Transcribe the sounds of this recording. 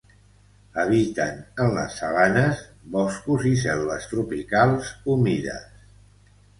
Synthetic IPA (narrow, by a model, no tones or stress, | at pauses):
əβ̞it̪ənənlə̰sːəɣanəzβɔskuzis̬ɛlˠβəst̪ɾupikalˠzumiðə̰s